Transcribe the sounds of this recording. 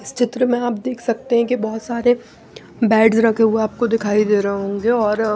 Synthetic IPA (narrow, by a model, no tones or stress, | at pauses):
ɪst͡ʃɪt̪ɾəmẽaːp̚d̪eːkʰsɐk̚t̪eɦɛ̃kibɔɦʊt̪saːɾe | bɛːɖzɾɐkʰeɦueaːp̚kod̪ɪkʰaːid̪eːɾɐɦõːɡeɔːɾ